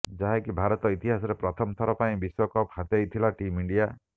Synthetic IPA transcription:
d͡ʒaɦekibʱaɾɔt̪ɔit̪iɦasɔɾepɾɔt̪ʰɔmt̪ʰɔɾɔpaĩbiswɔkɔphat̪ejt̪ʰilaʈimiɳɖija

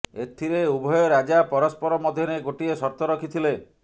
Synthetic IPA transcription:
et̪ʰiɾeubʱɔjɔɾad͡ʒapɔɾɔspɔɾɔmɔd̪ʱjɔneɡoʈiesɔɾt̪ɔɾɔkʰit̪ʰile

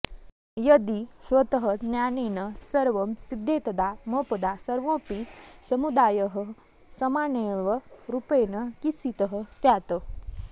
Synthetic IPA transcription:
jəd̪isʋət̪əɦənjanenəsəɾʋəmsid̪ʱːet̪ɐd̪aməpɐd̪asəɾʋõpisəmud̪aːjəɦə | sɐmaːneʋəɾupejnəkisit̪əɦəsjat̪ə

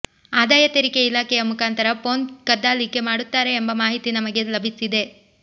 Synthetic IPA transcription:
aːd̪aːjɐt̪eɾikeilaːkʰɛjɐmukʰaːnt̪ɐɾɐpo̞ːnkɐd̪ːaːlike̞maːɽut̪ːaːɾe̞ːmbɐmaːɦit̪inɐmɐɡe̞lɐbʱisid̪e̞

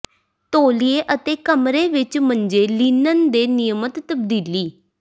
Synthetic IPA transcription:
t̪oːlieːʔət̪eːkəmɾeːʋɪt͡ʃməɲd͡ʒeːliːnənd̪eːnɪjəmət̪ːəb̚d̪iːliː

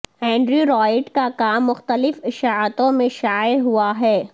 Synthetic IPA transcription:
ɦɛ̃ːɳɖɾuɾɔːjɪʈkakaːmːʊxt̪əlɪfɪʃaːət̪õmẽʃaːeɦuaɦɛː

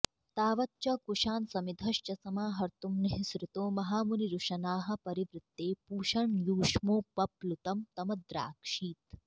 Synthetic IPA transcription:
t̪aːʋɐtːt͡ʃɐkuʂaːnsɐmid̪ʱɐʃt͡ʃɐsɐmaːɦɐɾt̪umnɐɦisɾut̪oːmɐɦaːmuniɾuʂɐnaːɦɐ̆pɐɾiʋɾɪt̪ːeːpuːʃɐɳjuːʂmoːpɐplut̪ɐmt̪ɐmɐd̪ɾa̰ːkʂiːt̪

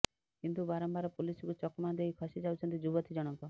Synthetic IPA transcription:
kint̪ubaɾɔmbaɾɔpulisɔkut͡ʃɔkɔmand̪eɦikʰɔsid͡ʒawt͡ʃʰɔnt̪id͡ʒubɔt̪ʰid͡ʒɔɽ̃ɔŋkɔ

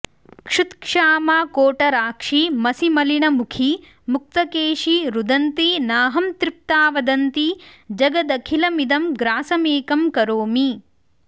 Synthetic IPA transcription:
kʂut̪kʂaːmaːkoːʈɐɾaːkʂimɐsimɐliɳɐmukʰi | muk̚t̪ɐkeːʂiɾud̪ɐnt̪inaːɦɐmt̪ɾip̚t̪aːʋɐd̪ɐnt̪id͡ʒɐɡɐd̪ɐkʰilɐmid̪ɐmɡɾaːsɐmeːkɐmkɐɾoːmi

